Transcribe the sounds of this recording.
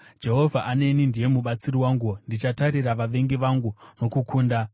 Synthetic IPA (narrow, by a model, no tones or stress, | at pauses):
d͡ʒe̞ɦo̞vʱaʔane̞nindije̞muɓat͡siriwaːŋɡundit͡ʃataɾiɾaʋaʋe̞ŋɡiʋaŋɡuno̞kukʰuːnda